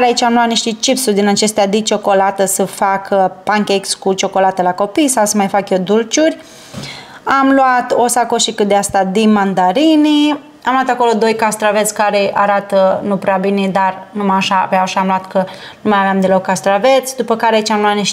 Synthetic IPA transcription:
ɾeait͡ʃʲamluwat̪niʃt̪it͡ʃipsurʲd̪inat͡ʃe̞st̪ead̪it͡ʃo̞ko̞lat̪əsəfakpaŋkʲeekskut͡ʃo̞ko̞lat̪əlako̞pijsawsəmajfakjed̪ult͡ʃurʲ | amluat̪o̞sakoʃikɨt̪d̪east̪ad̪imand̪aɾini | amluat̪ako̞lo̞d̪o̞jkast̪ɾave̞t̪sʲkaɾe̞ʔaɾat̪ənupɾeabined̪arnumaʃa̰veaʃamluat̪kənumajaveamd̪elo̞kːast̪ɾavet̪sʲd̪upəkaɾeait͡ʃamluat̪niʃ

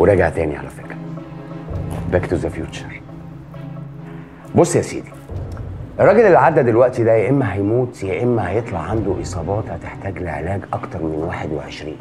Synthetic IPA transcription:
weɾˤɑɡaʕt̪æːniʕa̰læ̰fekɾæ | bækt̪uzæfjuːt͡ʃɑ̥ɾˤ | bosˤːjæsḭːd̪i̥ | ʔerˤːɑːɡelelːiʕad̪ːæd̪elwæʔt̪id̪æjeʔemːæɦæjmuːt̪jeʔemːæhæjet̪ˤlɑʕːand̪uʔɨsˤɑːbɑːt̪hæt̪eħt̪æːɡleʕelæːɡʔɑkt̪ɑɾˤmenwaːħed̪weʕeʃɾḭːn

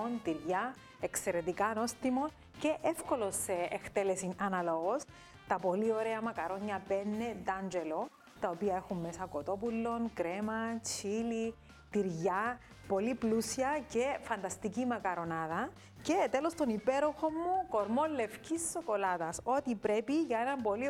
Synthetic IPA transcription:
nt̪iɾʝɐ | ekse̞ɾe̞t̪ikɐno̞st̪imo̞n | ce̞ʔefko̞lo̞seext̪elesinɐnɐloɣos | t̪ɐpo̞lio̞ɾeɐmɐkɐɾo̞ɲːɐpenːe̞d̪ɐnd͡ʒelo | t̪ɐopiɐexumːesɐkot̪o̞pulːo̞ŋkɾemɐt͡ʃili | t̪iɾʝɐ | po̞liplusiɐce̞fɐnd̪ɐst̪icimɐkɐɾo̞nɐðɐ | cet̪elo̞st̪onipeɾo̞xo̞mːuko̞ɾmo̞lːe̞fcisːo̞ko̞lɐt̪ɐso̞t̪ipɾe̞piʝɐenɐmpo̞li

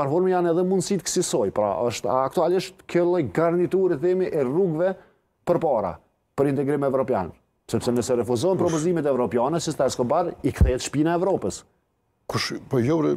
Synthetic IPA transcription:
aɾfɔɾmɛjanɛðɛmund̪sit̪əksisɔjpɾa̰ʔəʃt̪a̰ːkt̪ualiʃt̪kəlˠɔjɡaɾnit̪uɾiθɛmiʔɛruɡvɛ | pəɾpaɾa̰ | pəɾint̪ɛɡɾimɛvɾɔpja̰n | sɛpsɛnəsɛɾɛfuzɔnpɾɔpɔzimɛt̪ɛvɾɔpjanɛsist̪ɛskɔbaɾikθɛt̪ʃpinaɛvɾɔpəs | kuʃpɔjɔɾɛ

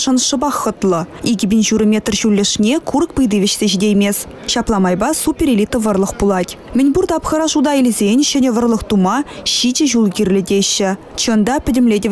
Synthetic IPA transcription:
ʃənʃəbɑχət̪lˠəeɡʲɪbʲinʒuɾəmʲe̞t̪rʒulʲːeʃnʲekʰurkbəjd̪ivʲit͡ʃt̪eʒid̪ʲejmʲes | ʃɑplˠɑmɑjbɑsupʲeɾelʲit̪əvə̆rlˠəqbulˠɑt̪ʲ | mʲɪnʲburd̪ɑpχəɾɑʒud̪ɑjɪlʲzʲenʲʒ̥ænʲevə̆rlˠəqt̪umɑʃid͡ʒeʒulˠɡʲiɾlʲɪd̪eʃɪt͡ʃʰənd̪ɑpʲʰɪ̆d̪ʲɪmlʲed̪ʲe

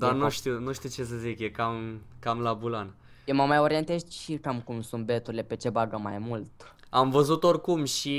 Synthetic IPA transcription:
d̪anuʃt̪iwnuʃt̪iwt͡ʃe̞s̬əzikjekamkamlabulan | jeməmajo̞ɾie̞nt̪e̞zʃikamkumsunt̪̚be̞t̪uɾilepe̞t͡ʃe̞baɡəma̰jmult̪ | amvəzut̪o̞rkumʃi

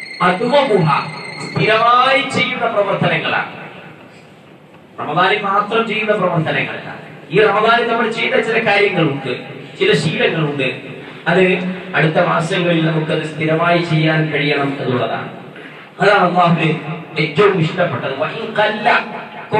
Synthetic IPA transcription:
ɐd̪uʋɐmuɦa̰st̪ʰiɾɐmaːjit͡ɕe̞jːuɳːɐprɐʋɐrt̪ʰɐnɐŋːɐɭa̰ːɳɨ | rɐmɐðaːnemaːt̪rɐmt͡ɕe̞jːuɳːɐprɐʋɐrt̪ʰɐnɐŋːɐ̰ɭḛlːa̰ːiːrɐmɐðaːnenɐmːɐɽt͡ɕejuɳːɐt͡ɕilɐkaːɾjɐŋːɐɭuɳɖɨt͡ɕilɐɕiːlɐŋːɐɭuɳɖɨ | ɐðɨɐɽut̪ːɐmaːsɐŋːɐɭilnɐmukːɨɐðɨst̪ʰiɾɐmaːjit͡ɕe̞jːaːnkɐɻijɐɳɐmenːuɭːɐða̰ːɳɨ̰ | ɐðaːnɐlˠːaːɦuðɨetːɐʋumʋiʂʈɐpːeʈːɐðɨʋɐʔinqɐlːɐ

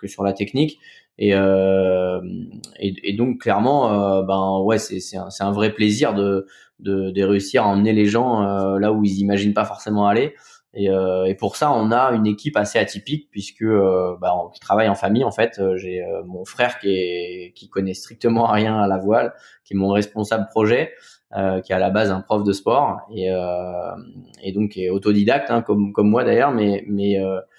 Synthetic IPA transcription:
kəsyʁlat̪ɛknik | eø | mḛed̪ɔ̃kːlɛʁmɑ̃øbɛ̃wɛsɛsɛt̪ɛ̰̃sɛt̪ɛ̃vʁɛpleziʁd̪ə | d̪əd̪əʁeysiʁaɑ̃mneleʒɑ̃ølauilzimaʒinpafɔʁsemɑ̃ale | eøepuʁsaɔ̃naynekʲipaseat̪ipik̚pɥiskəøbaɔ̃kʲi̥t̪χavajɑ̃famijɑ̃fɛt̪øʒeø̰mɔ̃fχɛʁkʲɛkʲikɔnɛst̪χik̚t̪əmɑ̃ʁjɛ̃alavwal | kʲɛmɔ̃ʁɛspɔ̃sabləpχɔʒɛ | økʲiɛalabazɛ̃pχɔfd̪əspɔʁeø | ed̪ɔ̃kɛot̪od̪id̪ak̚t̪ɛ̃kɔmkɔmːwad̪ajœʁmɛmɛø

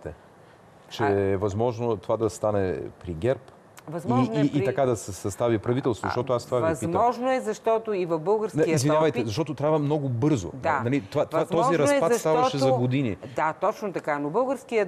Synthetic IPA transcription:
t̪ɛ | t͡ʃɛɛvɐzmɔʒnot̪ovad̪ɐst̪anɛ̰pɾiɡɛɾp | vɐzmiiːɐtkad̪ɐsɛsɐst̪avipɾɐvit̪ɛlˠst̪voz̰ʃt̪ɔt̪oast̪ovaviiɔʒnoɛzɐʃt̪ɔt̪oivɐfbɤlˠɡəɾsnɐiizvinavəjt̪ɛzɐʃt̪ɔt̪ot̪ɾʲavəmnɔɡʊbɤɾzo̰d̪analit̪vat̪oat̪ɔziɾɐsptsʃst̪avɐʃɛzɐɡod̪inḭd̪at̪ɔt͡ʃnot̪ɐkanobɤlˠɡəɾsk̟ijə

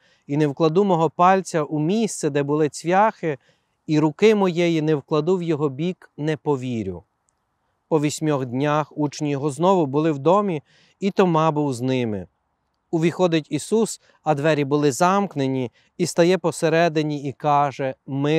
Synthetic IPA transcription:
inewklˠɐd̪umɔɦɔpɑlʲt͡sʲɐʔumʲist̪sɛd̪ɛbʊlˠɪt͡sʲʋʲjɑxɪ | iɾʊkɪmɔjɛjinɛwklˠɐd̪uwjɔɦɔbʲiknɛpɔʋʲiɾʲʊ̰ | pɔʋʲisʲmʲɔxd̪ʲnʲaxut͡ʃnʲijɔɦɔznɔʋʊbʊlˠɪwd̪ɔmʲi | it̪ɔmɑbʊwznɪmɪ̰ | ʊʋʲixɔd̪ɪtʲisus | ɐd̪ʋɛɾʲibʊlˠɪzɑmknenʲi | ist̪ɐjɛpɔseɾɛd̪ɪnʲiikɑʒɛmɪ

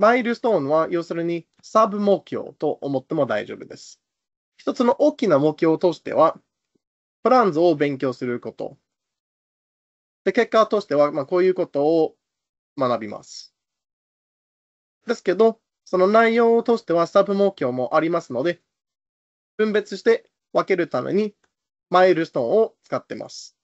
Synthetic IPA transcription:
maiɾɯ̟st̪õ̞ːnβajo̞ːsɨɾɯ̟ɲ̟i | sabɯ̟mo̞ːkʲo̰ːt̪o̞ʔomo̞t̪ːe̞mo̞d̪aḭʑo̰ːbɯ̟d̪e̞̰sɨ̥ | çi̥t̪o̞t͡sɨno̞ʔoːkʲinamo̞kʲoːt̪o̞ːɕi̥t̪e̞̰β̞a | pɯ̟ɾãnzɨo̞bẽ̞ŋk̬ʲo̞ːsɨɾɯ̟ko̞t̪o̞̰ | d̪̥e̞ke̞kːaot̪o̞ːɕi̥t̪e̞βamako̞ːjɯ̟ːko̞t̪o̞ː | manabʲima̰sɨ̥ | d̪e̞sɨ̥ke̞d̪o̞ | so̞no̞naijo̞ːt̪o̞ːɕi̥t̪e̞βasɨ̥t̪abɯ̟mo̞kʲo̞ːmo̞ʔaɾʲimasɨno̞d̪e̞ | b̥ɯ̟̃mbe̞t͡sɨɕi̥t̪e̞ | βake̞ɾɯ̟t̪amḛɲ̟i | maiɾɯ̟st̪õ̞ɰ̃o̞t͡sɨ̥kat̪ːe̞̰mʔa̰sɨ̥

